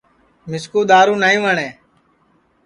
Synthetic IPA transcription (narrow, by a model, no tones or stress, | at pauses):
mɪskuːɗ̪aːɾũːnaːĩːʋəɳeː